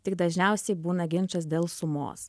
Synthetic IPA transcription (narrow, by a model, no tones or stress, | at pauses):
t̪ʲɪɡd̪ɐʒʲnʲɛˑʊsʲɛɪbuːnɐɡʲɪnʲt͡ʃɐs̬d̪ʲeːlˠsʊmo̰ːs